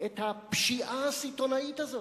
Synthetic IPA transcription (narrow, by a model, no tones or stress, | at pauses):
et̪hapʃiʔasit̪o̞nait̪azo